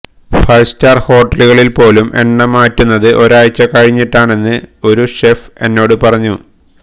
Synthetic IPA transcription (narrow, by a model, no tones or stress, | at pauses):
fɐjstaːrho̞ːʈːɐluɣɐɭilpo̞ːlumʔe̞̰ɳːɐmaːtːunːɐðɨʔo̞ɾaːjt͡ɕːɐkɐɻiɲːiʈːaːɳe̞nːɨo̞ɾuʂefe̞nːo̞ːɽɨpɐrɐɲːu